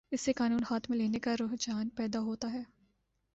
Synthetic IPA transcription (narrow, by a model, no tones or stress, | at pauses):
ɪsːekaːnuːnhaːt̪ʰmẽleːnekaɾʊːɦd͡ʒaːnpɛːd̪aɦoːt̪aɦɛː